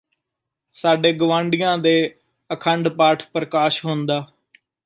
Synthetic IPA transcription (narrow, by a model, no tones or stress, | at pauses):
saːɖeːɡəʋãːɳɖɪjãːd̪eː | əkʰəɳɖpaːʈʰpɾəkaːʃɦoːnd̪aː